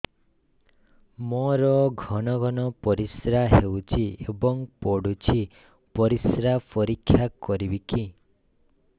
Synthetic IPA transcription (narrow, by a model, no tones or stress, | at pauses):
moɾɔɡʱɔɽ̃ɔɡʱɔnɔpɔɾisɾaɦewt͡ʃʰiebɔŋpɔɽut͡ʃʰi | pɔɾisɾapɔɾikʰːjakɔɾibiki